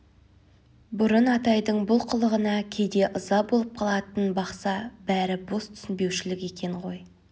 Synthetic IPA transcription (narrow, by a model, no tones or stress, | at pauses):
bʊɾənɑt̪ɑjd̪əɴbʊlˠqʰəlˠəʁənɑkʲʰe̞d̪e̞ʔəzɑbolˠəp̚qʰɑlˠɑt̪ənbɑqsɑb̥æɾɪbo̞st̪ʰʏ̥sɪnbe̞wʃɪlɪkʲe̞kʲʰe̞ɴʁo̞j